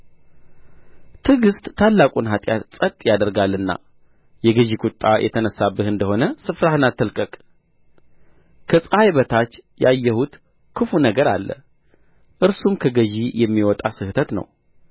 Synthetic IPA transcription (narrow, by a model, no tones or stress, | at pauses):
t̪ʰɨɡɨst̪ʼːʰalːakʼunɦat̪ʼja̰t̪sʼət̪ʼjad̪əɾɡalːɨnːa̰ | jɛɡɨʒikʰʼut̪ʼːajʔɛ̰t̪ʰənəsːabːɨhɨnd̪əho̞nəsɨfɾahɨnat̪ːɨlkʼəkʼ | kʰəsʼajβət̪ʰat͡ʃːjajːɛhut̪ | kʰɨfunəɡəɾalːə̰ | ʔɨɾsumkʰəɡəʒijɛmːiwɔt̪ʼasɨht̪ʰət̪nə̰w